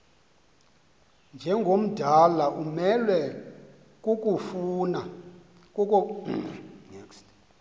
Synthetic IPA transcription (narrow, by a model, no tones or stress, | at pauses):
nd͡ʒʱɛŋɡʱom̩d̥ʱalaʔumɛlwɛ | k̬ʼukʼufuna | kuk̬ʼɔ | nɛ̰kst